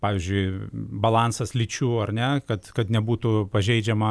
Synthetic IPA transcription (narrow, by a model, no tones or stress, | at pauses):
pɑːʋʲizʲd͡ʒʲʊɪbɐlˠɑːnsɐslʲit͡ʃʲuːɐrnʲɛkɐt̪kɐt̪nʲɛbuːt̪ʊpɐʒʲɛɪd͡ʒʲɛmɐ